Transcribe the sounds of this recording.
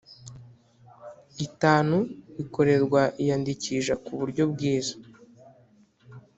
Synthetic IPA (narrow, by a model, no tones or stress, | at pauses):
itaːnuβiko̞ɾe̞ɾɡwaʔijandiciʒakuβuɾɟo̞bɡiːzḁ